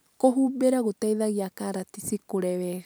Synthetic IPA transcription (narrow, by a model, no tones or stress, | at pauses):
koɦubɛɾaɣut̪eiðaɣiakaɾat̪isikuɾɛβɛ